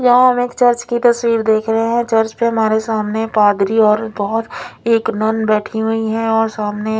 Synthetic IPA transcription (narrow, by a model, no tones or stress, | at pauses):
jɐɦãɦɐmeːkt͡ʃɐɾt͡ʃkit̪ɐswiːɾd̪eːkʰɾɐɦeɦɛ̃t͡ʃɐɾt͡ʃpeɦɐmaːɾesaːmnepaːd̪ɾiɔːɾbɐɦʊt̪eːknɐnbɛːʈʰiɦuiɦɛ̃ɔːɾsaːmne